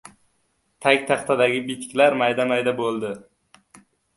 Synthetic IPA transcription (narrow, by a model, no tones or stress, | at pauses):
t̪ʰakʲt̪ʰaχt̪ʰad̪aɡʲɪbit̪kʲlaɾmajd̪amajd̪abolˠd̪ɪ